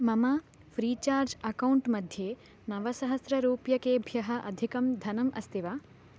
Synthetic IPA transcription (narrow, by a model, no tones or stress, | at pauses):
mɐmaː | fɾiːt͡ʃaːɾd͡ʒɐkɐwɳʈmɐd̪ʱjeː | nɐʋɐsɐɦɐsɾɐɾuːpjɐkeːbʱjɐɦɐʔɐ̰d̪ʱikɐmd̪ʱɐnɐmʔɐ̰st̪iʋaː